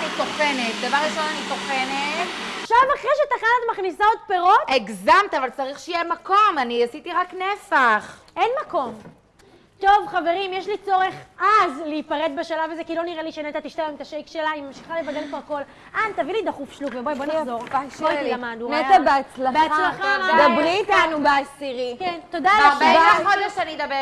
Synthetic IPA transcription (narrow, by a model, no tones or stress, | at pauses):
anit̪o̞fenet̪davaʁʁiʃonanit̪ofenet̪ʃavaχʁeʃet̪aχanat̪maχnisaod̪̚peʁo̞teɡzamt̪iavalt͡saʁiχʃeijemako̞maniasit̪iʁaknesaχ | enmako̞m | t̪o̞vχave̞ʁimjeʃlit͡so̞ʁe̞χazleipaʁet̪̚beʃalavazekilo̞niʁeliʃenetat̪iʃt̪avmt̪aʃejkʃelaimamʃi̥χalevadelkvoʁko̞l | ʔant̪avilid̪aχufʃlukvebobonazoʁfotilamad̪nunet̪abeat͡slabeat͡slaχadabʁiːt̪anubeasiʁikent̪o̞d̪aleaχod̪eʃeanid̪abe